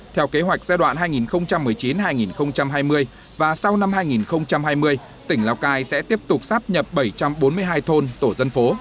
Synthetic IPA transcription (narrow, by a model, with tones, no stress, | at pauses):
t̪ʰɛ˧wke˨˦ɦwa˨˩jk̚zaː˧jɗwa̰ː˧˨nɦaː˧jŋi˨˩nxə˧wŋ͡mt͡ɕa˧mːɨ˨˩əjt͡ɕi˨˦nɦaː˧jŋi˨˩nxə˧wŋ͡mt͡ɕa˧mɦaː˧jmɨ˧əj | vaː˨˩sa˧wna˧mhɦaː˧jŋi˨˩nxə˧wŋ͡mt͡ɕa˧mɦaː˧jmɨ˧əj | t̪ï˧˩ŋ̟laː˧wkaː˧jsɛ̰˧˥t̪i˦˥əp̚t̪ʊ˨˩k͡p̚saː˦˥p̚ɲə˨˩p̚ɓə˧˩jt͡ɕa˧mɓo˨˦nmɨ˧əjɦaː˧jt̪ʰo˧nt̪o˧˩zə˧nfo˨˦